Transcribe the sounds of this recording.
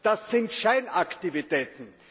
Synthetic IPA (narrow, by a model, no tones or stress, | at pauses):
d̥asːɪntʃaɪnaktivitɛːtn̩